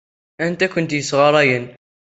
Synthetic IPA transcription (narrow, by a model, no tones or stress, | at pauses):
ænt̪ækʊnt̪jəsʁɑɾˤɑjən